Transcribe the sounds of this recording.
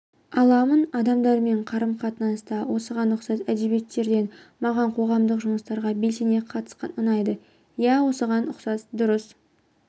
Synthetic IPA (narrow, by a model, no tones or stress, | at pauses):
ɑlˠɑmənɑd̪ɑmd̪ɑɾme̞ɴqʰɑɾəmqʰɑt̪ənɑst̪ɑwo̞səʁɑnːʊqsɑt̪æd̪e̞bjet̪ːe̞ɾd̪e̞nmɑʁɑɴqʰo̞ʁɑmd̪əqʒʊməst̪ɑɾʁɑbe̞lse̞ne̞qʰɑt̪ə̥sqɑ̰nʊnɑjd̪ə | jæwo̞səʁɑnʊqsɑsd̪ʊɾəs